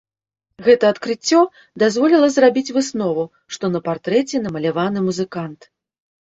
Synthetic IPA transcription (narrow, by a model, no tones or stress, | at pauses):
ɣɛt̪ɐːt̪kɾɨt͡sʲːɔ | d̪azvɔlʲilˠɐzrabʲit͡sʲvɨsnɔvu | ʂt̪ɔnɐpart̪ɾɛt͡sʲɛnɐmɐlʲavanɨmuzɨkant̪